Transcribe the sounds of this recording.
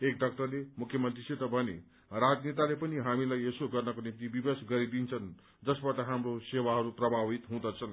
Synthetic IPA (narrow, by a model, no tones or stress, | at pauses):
ekɖʌk̚ʈʌrlemukʰjʌmʌnt̪riset̪ʌbʱʌnḛ | rad͡znet̪alepʌniɦamilajesoɡʌrnʌkonimt̪ibibesɡʌɾid̪int͡sʰʌn | d͡zʌsbaʈʌɦamrosewaɦʌɾuprʌbʱabit̪ɦũd̪ʌt͡sʰʌn